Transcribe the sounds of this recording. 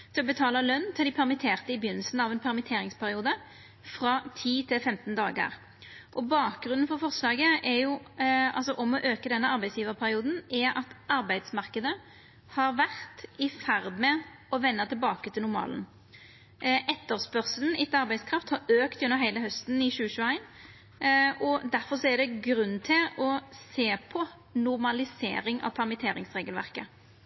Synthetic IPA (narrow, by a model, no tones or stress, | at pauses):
t̪ʰɪlɔbət̪ʰɑːləlœnːt̪ʰɪld̪ɪpʰæʁmɪt̪ʰeːʁt̪əɪbɪjʏnːəlsn̩ɑʋɛnpʰæʁmɪt̪ʰeːɾɪŋspʰæʁɪuːd̪ə | fʁɑt̪ʰiːt̪ʰɪlfɛmt̪n̩d̪ɑːɡə̰ʁ | ʔɔbɑːk̚ɡɾʉnn̩fɔʁfɔʁslɑːɡəɛjʊɑ̰lsɔʔɔmɔʔøːkəd̪ɛnːəʔɑʁbæɪsjiːʋəʁpʰæɾɪuːd̪n̩ɛɑt̪ɑʁbæɪd̪smɑʁkəd̪ə | hɑɾʋæʁt̪ɪfæʁd̪mɛɔʋɛnːɑt̪ʰɪlbɑːkət̪ʰɪlnʊɾmɑ̰ːln | ʔɛt̪ːəʁspœʁsəln̩ɪt̪ɑɾbæɪskʰɾɑft̪hɑɾøːkt̪jʉnːəʁɦæɪləɦœst̪nɪʃʉːəʃʉːæɪn | ɔd̪æʁfɔʁsɔɛʁd̪ɛɡɾʉnːt̪ʰɪlɔseːpʰɔ | nʊʁmɑlɪsḛːɾɪŋɑ̰ʋpʰɑʁmət̪ʰeːɾɪŋsʁeːɡəlʋæ̰ʁkə